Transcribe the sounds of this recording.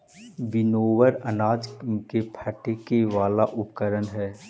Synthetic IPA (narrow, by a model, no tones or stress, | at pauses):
bɪnoːʋəɾɐnaːd͡ʒkepʰɐʈekeʋaːlaʔʊp̚kəɾənɦɛː